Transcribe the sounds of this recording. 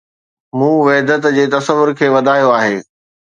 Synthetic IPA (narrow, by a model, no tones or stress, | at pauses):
mũːʋɐɦd̪ət̪d͡ʑeːt̪ɐsəʋːʊɾkʰeːʋɐd̪ʱaːjoaːɦeː